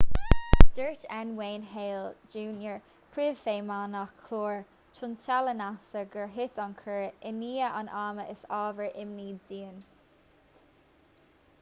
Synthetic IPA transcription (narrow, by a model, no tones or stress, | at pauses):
d̥əɹt͡ʃɛnweːnɦeːld͡ʒuːnjəɹ | pʰɹɪvfeːmaːnakʰloːɹ | t͡ʃʰʊnt͡ʃalənasəɡəɹɦɪt̪ankʰəɹɪniːəʔa̰naːməʔɪsɑːvəɹʔɪmniːddiːən